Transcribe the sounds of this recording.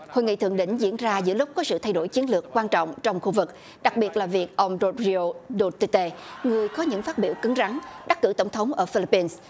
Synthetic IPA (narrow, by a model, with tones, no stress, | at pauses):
ho̰˧˨jŋḭ˧˨t̪ɨ̰˧əŋɗḭ̈˧˥˨ŋ̟zḭ˧˥ənzaː˧zɨ̰˧˥əlʊ˦˥k͡p̚kɔ˨˦sɨ̰˧˨t̪ʰa˧jɗo˧˩jt͡ɕi˨˦ənlɨ˨˩əkːwaː˧nt͡ɕɔ̰˧˨wŋ͡mt͡ɕɔ˧wŋ͡mxu˧vɨ˨˩k̚ | ɗa˨˩k̚ɓi˨˩ət̚laː˨˩vi˨˩ək̚ʔə˧wŋ͡mzo˧t̚zi˧o˧ɗo˧t̪i˧t̪e˧ŋɨ˨˩əjkɔ˨˦ɲɨ̰˧˥ŋfaː˦˥t̚ɓi˧˩wkɨ˨˦ŋza˨˦ŋɗa˦˥k̚kːɨ̰˧˩t̪ə˧˩ŋ͡mt̪ʰə˨˦wŋ͡mʔəː˧˩fi˧li˧˥pːi˧ns